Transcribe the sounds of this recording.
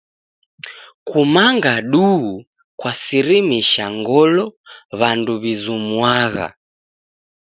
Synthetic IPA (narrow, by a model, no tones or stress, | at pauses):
kumaŋɡaɗuɣu | kwasiɾimiʃaŋɡɔlɔβanduβizumwaɣa̰